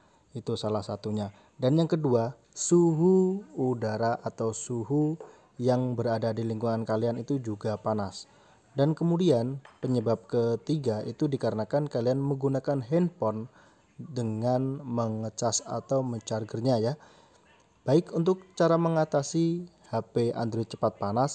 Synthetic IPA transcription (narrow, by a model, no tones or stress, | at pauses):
it̪usalahsat̪uɲa | danjaŋkədua | suɦuːdaɾaʔat̪awsuɦu | jaŋbəɾadadiliŋɡuŋankalianit̪ud͡ʒuɡapanas | dankəmudianpəɲəbap̚kət̪iɡait̪udikaɾənakankalianməɡunakanɦɛnpɔn | dəŋanməŋət͡ʃasa̰t̪awməɲt͡ʃarɡərɲaja | b̥aɪkunt̪ʊk̚t͡ʃaɾaməŋat̪asihapea̰nd̪ɾit͡ʃə̥pat̪̚panas